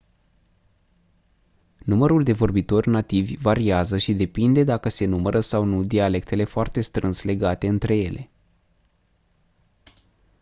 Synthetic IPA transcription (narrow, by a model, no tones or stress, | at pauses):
numəɾuld̪e̞vo̞rbit̪o̞rʲnat̪ivʲvaɾiazəʃid̪e̞pind̪e̞d̪akəse̞numəɾʔəsawnud̪iale̞kt̪e̞le̞foart̪e̞st̪ɾɨnsle̞ɡat̪e̞ɨnt̪ɾe̞je̞lʔe̞